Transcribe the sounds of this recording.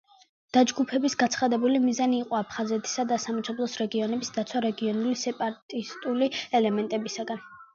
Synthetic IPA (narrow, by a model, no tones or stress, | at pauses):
d̪̥ad͡ʒɡupʰɛbisɡat̪sʰχad̪ɛbulimizaniːqʼɔapʰχazɛt̪ʰi̥sad̪asamɛʃʰɔblˠɔsɾɛɡiɔnɛbisd̪at̪sʰwaɾɛɡiɔnulisɛpʼaɾt̪ʼist̪ʼuliɛlɛmɛnt̪ʼɛbisaɡan